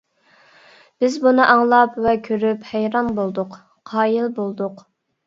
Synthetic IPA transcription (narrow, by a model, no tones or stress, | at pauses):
b̥ɪzbunɨʔɑŋlˠɑpwɛkʲʰøɾyphæjɾɑnbolˠd̪ʊq | qʰɑːjilˠbolˠd̪ʊq